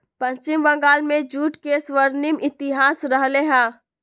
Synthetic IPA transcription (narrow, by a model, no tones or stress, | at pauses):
pə̃ɲt͡ʃɪmbə̃ŋɡaːlmẽd͡ʒuːʈkeswəɾnɪmɪt̪ɪɦaːsɾəɦleɦɛ̃ː